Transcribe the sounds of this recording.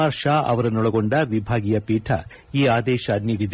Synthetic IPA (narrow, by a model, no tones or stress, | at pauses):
aːɾʃaːɐ̰ʋɐɾɐnɔɭɐɡoɳɖɐʋibʱaːɡijɐpiːʈʰɐ̰ | iːaːd̪ɛːʃɐniːɽid̪